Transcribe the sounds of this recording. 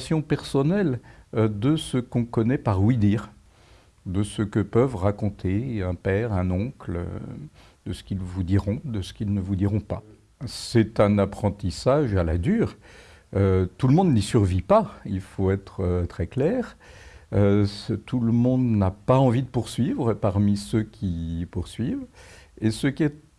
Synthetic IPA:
sjɔ̃pɛʁsɔnɛld̪əsəkɔ̃kɔnɛpaʁwid̪iːʁ | d̪əsəkəpœvʁakɔ̃t̪ʰeɛ̃pɛʁɛ̃nɔ̃kl̰ | d̪əsə̥kʲilvud̪iʁɔ̃d̪əsə̥kʲilnəvud̪iʁɔ̃pa | sɛt̪ɛ̃napχɑ̃t̪isaʒalad̪yːʁ | øt̪uləmɔ̃d̪nisyʁvipailfoɛt̪χət̪χɛklɛːʁøt̪ʰuləmɔ̃d̪napaɑ̃vid̪əpuʁsɥivʁəpaʁmisøkʲʰipuʁsɥivesəkʲiɛt

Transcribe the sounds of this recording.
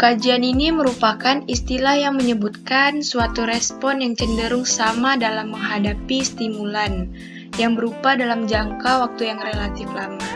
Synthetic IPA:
kad͡ʒianiniməɾupakanist̪ilahjaŋməɲəbut̪̚kansuat̪uɾɛspɔnjaŋt͡ʃəndəɾʊŋsamadalamːəŋɦadapist̪imulan | jaŋbəɾupadalamd͡ʒaŋkawak̚t̪ujaŋrelat̪ɪflama

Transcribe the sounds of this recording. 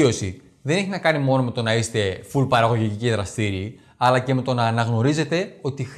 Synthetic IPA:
o̞si | ðe̞ne̞çinɐkɐnimo̞no̞me̞t̪o̞nɐist̪e̞fulpɐɾɐɣo̞ʝiciciðɾɐst̪iɾi | ɐlɐce̞me̞t̪o̞nɐːnɐɣno̞ɾize̞t̪e̞o̞t̪ix

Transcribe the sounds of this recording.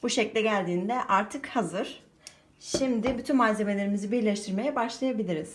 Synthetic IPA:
buʃeclʲɛɟælʲd̪iːnd̪ɛʔaɾt̪ʰɯkhazɯɾ̥ | ʃimd̪ɪbyt̪ʰynmaːze̞me̞lʲeɾimizibiɾlʲɛʃt̪ʰiɾme̞jɛbaʃlˠajabilʲiɾiz̥

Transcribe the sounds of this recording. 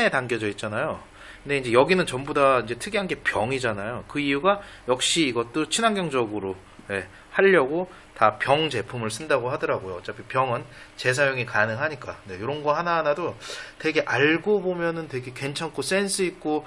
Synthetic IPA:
etaŋɡjʌd͡ʑʌit̚t͡ɕ͈anajo | kɯnde̞ind͡ʑe̞jʌɡinɯnt͡ɕʌmbudaind͡ʑe̞tʰɯɡiɦanɡe̞pjʌŋid͡ʑanajokɯijuɡa | jʌk̚ɕ͈iːɡʌt̚t͈ot͡ɕʰinaŋɡjʌŋd͡ʑʌɡɯɾo | je̞ | haʎːʌɡo | tapjʌŋd͡ʑe̞pʰumɯɭs͈ʰɯndaɡoɦadɯɾaɡojoʌt͡ɕ͈apʰipjʌŋɯnt͡ɕe̞s̬ʰajoŋikanɯŋɦaɲik͈ane̞joɾʌnɡʌhanaɦanadote̞ɡe̞ʔaɭɡobomjʌnɯntwe̞ɡe̞kwe̞nt͡ɕʰank͈os͈e̞nsʰɯik̚k͈o

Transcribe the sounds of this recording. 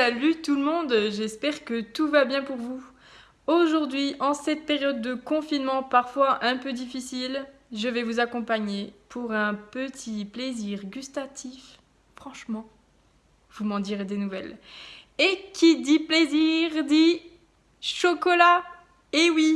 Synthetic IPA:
salyt̪ulmɔ̃d̪ʒɛspɛʁkət̪uvabjɛ̃puʁvu | oʒuʁd̪ɥiʔɑ̃sɛt̪̚peʁjɔd̪ːəkɔ̃finmɑ̃paʁfwaʔɛ̃pød̪ifisilʒəvɛvuzakɔ̃paɲepʰuʁɛ̃pət̪ʰipleziʁɡʲyst̪at̪ʰif | fχɑ̃ʃmɑ̃ | vumɑ̃d̪iʁed̪enuvɛl | ekʲʰid̪ipleziʁd̪i | ʃɔkɔla | ewi

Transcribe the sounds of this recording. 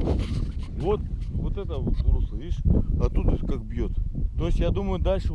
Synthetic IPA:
vot̪vot̪ɛt̪əvot̪zɾoslˠəvʲiʂɐt̪ut̪skak̚bjot̪t̪ojɪsʲtʲjad̪uməjʊd̪alʲʂɨ

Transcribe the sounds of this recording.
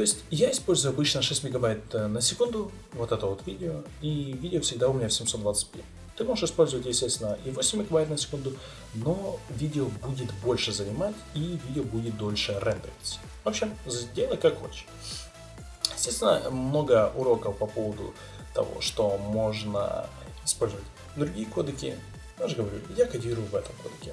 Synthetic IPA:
t̪o̞ɪsʲtʲjaɪspo̞lʲzʊjʊɐbɨt͡ɕnəʂɛsʲtʲmʲɪɡɐbajt̪nəsʲɪkund̪ʊ | vo̞t̪ɛt̪əvo̞t̪vʲidʲɪo | ivʲidʲɪofsʲɪɡd̪aʊmʲɪnʲafsʲɪmso̞t̪d̪vat̪sɨ̥t̚ʲpʲḛtʲ | t̪ɨmo̞ʐɨʂɨspo̞lʲzʊvətʲjɪsʲtʲest̪ʲɪnəʔivo̞sʲɪmʲːɪɡɐbajt̪nəsʲɪ̥kund̪ʊ | no̞vʲidʲɪobudʲɪt̪bo̞lʲʂɨzənʲɪmatʲivʲidʲɪobudʲɪt̪̚d̪o̞lʲʂɨrɛnt̪əvʲɪt̪ʲsʲə̥ | vɐpɕemzdʲelˠət̚ʲkakxo̰t͡ɕɪ̥ | jɪsʲtʲest̪ʲɪnə̰mno̞ɡəʔʊɾo̞kəfpɐpo̞vəd̪ʊ̰ | t̪ɐ̰vo̞̰ʂt̪omo̞ʐnə̰ | ɪspo̞lʲzəvətʲ | d̪ɾʊɡʲijəko̞d̪əkʲɪ̰ | jaʐɨɡəvɐɾʲṵjakɐdʲiɾʊjʊvɛt̪əmko̞̰d̪əkʲɪ

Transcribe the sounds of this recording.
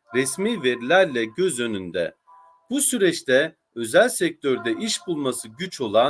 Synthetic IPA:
ɾɛsmiːve̞ɾilʲæɾlʲɛɟøzø̞nynd̪ɛ̰ | b̥usyɾɛt͡ʃt̪ʰɛ | ø̞zælʲsɛc̚t̪ʰøɾd̪ɛʔiʃbulˠmasɯɟyt͡ʃʰo̞lˠa

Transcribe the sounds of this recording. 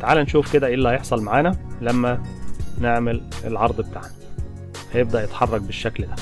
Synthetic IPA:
t̪aʕaːlænʃuːfked̪æʔelːæhæjeħsˤɑlmaʕaːnælæmːæneʕmelelʕɑɾˤd̪ˤbet̪a̰ʕnæ | hæjeb̚d̪æʔjet̪ħɑrˤːɑk̚beʃːækld̪æ

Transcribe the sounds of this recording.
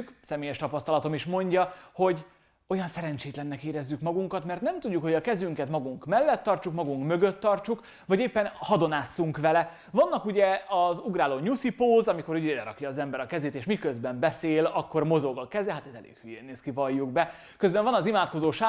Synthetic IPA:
ksɛmeːjɛʃt̪ɒpɒst̪ɒlɒt̪o̞miʃmo̞ɲɟɒho̞ɟ | o̞jɒnsɛɾɛɲt͡ʃeːt̪lɛnːɛkeːɾɛzːykmɒɡuŋkɒt̪mɛrt̪nɛmt̪uɟːukho̞ɟɒkɛzyŋkɛt̪mɒɡuŋkmɛlːɛt̪ːɒrt͡ʃukmɒɡuŋkmøɡø̞t̪ːɒrt͡ʃuk | vɒɟeːpːɛnhɒd̪o̞naːsːuŋkʋɛlɛ | vɒnːɒkuɟɛɒzuɡraːloːɲusipoːzɒmiko̞ɾuɟed̪ɛɾɒ̰kjɒːzɛmbɛɾɒkɛzeːt̪eːʃmikøzbɛmbɛseːlɒkːo̞rmo̞zo̞ɡɒkɛzɛɦat̪ɛzɛlḛːkhyjeːnːeːskivɒjːuɡ̚bɛ | køzbɛɱvɒnɒzimaːt̪ko̞zoːʃaː

